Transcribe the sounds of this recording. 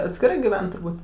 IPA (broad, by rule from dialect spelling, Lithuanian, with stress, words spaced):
ɐtʲsʲkʲɪˈrɐɪ ɡʲɪˈʋʲɛn tʊrˈbuːt